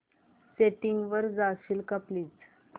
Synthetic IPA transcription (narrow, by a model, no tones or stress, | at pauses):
seʈiŋɡʋəɾd͡zaɕilkəpliːt͡s